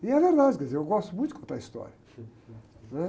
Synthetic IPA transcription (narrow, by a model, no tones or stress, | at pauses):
iɛveɾd̪ad͡ʒkɛzeewɡɔst̪umũj̃t̪ukõt̪ɐist̪ɔ̰ɾiɐ | nɛ